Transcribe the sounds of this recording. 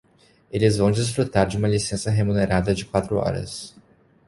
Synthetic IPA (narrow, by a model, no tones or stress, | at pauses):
elɪzvɐ̃w̃d͡ʒɪsfɾut̪aɾd͡ʒɪũmɐlisẽsɐɦemũneɾad̪ɐd͡ʒɪkwat̪ɾʊɔ̰ɾɐ̰s